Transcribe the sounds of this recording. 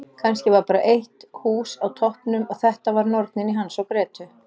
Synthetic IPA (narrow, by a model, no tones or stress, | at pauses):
kʰanscɪvaɾpaːɾa̰ʔejht̪huːsawt̪ʰɔhpnʏmɔɣθɛht̪avaɾnɔɾt̪nɪniɦansɔwkɾɛːt̪ʏ